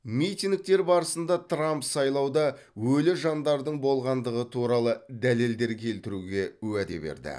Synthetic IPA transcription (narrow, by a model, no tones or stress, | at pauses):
mijt̪iŋk̚t̪e̞ɾbɑɾəsənd̪ɑt̪rampsɑjlˠɑwd̪ɑ | wɵlɪʒɑnd̪ɑɾd̪əɴbo̞lˠʁɑnd̪əʁət̪ʰuɾɑlˠəd̪æle̞ld̪e̞ɾkʲʰe̞lt̪ɪɾuɡʲe̞wæd̪e̞̰bḛɾd̪ɪ̰